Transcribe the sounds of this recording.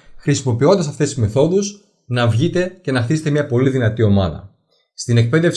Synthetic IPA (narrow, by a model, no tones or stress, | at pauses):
xɾisimo̞pio̞nd̪ɐsɐft̪esizme̞θo̞ðus | nɐvʝit̪e̞ce̞nɐxθiset̪emɲɐpo̞liðinɐt̪io̞mɐ̰ðɐ̰ | st̪ine̞k̚pe̞ðe̞f